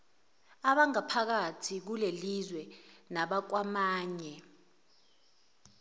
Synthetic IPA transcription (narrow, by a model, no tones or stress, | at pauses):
aɓaŋapʰak̬atʰik̬ulelizwɛnaɓak̬wamaːɲɛ